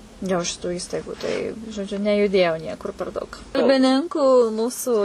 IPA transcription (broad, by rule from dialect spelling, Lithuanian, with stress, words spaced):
joː ʃʲɪˈtuː ˈiːstɐɪɡʊ tɐɪ ʒoːˈd͡ʒʲʊ nʲɛjʊˈdʲeːjɛʊ ˈnʲiɛkʊr pʲɛr ˈdɐʊk kɐlʲbʲɪˈnʲɪŋkʊ ˈmuːsʊ